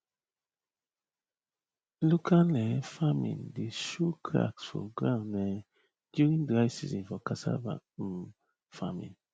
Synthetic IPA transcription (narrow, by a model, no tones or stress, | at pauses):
lukʰanɛfamḭ̃ndiʃukʰɾa̰ksfṵlɡɾãnɛ | djuɾiŋdɾaɪsḭzinfɔkasa̰ba̰ | famḭ̃n